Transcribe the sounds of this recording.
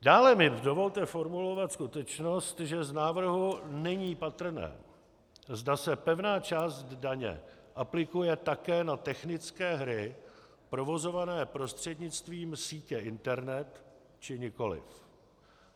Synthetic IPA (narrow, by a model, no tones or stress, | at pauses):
daːlɛmɪdo̞vo̞lt̪ɛfo̞ɾmulo̞vat̪skut̪ɛt͡ʃno̞st̪ʒɛznaːvr̩ɦunɛɲiːpat̪r̩nɛ̰ː | zdasɛpɛvnaːt͡ʃaːzt̪d̪daɲɛ̰ʔaplɪkujɛt̪akɛːnat̪ɛxnɪt͡skɛːɦɾɪ | pɾo̞vo̞zo̞vanɛːpɾo̞st̪r̝̥ɛdɲɪt͡st̪viːmsiːcɛʔɪnt̪ɛɾnɛt̪ | t͡ʃɪɲɪko̞lɪ̰f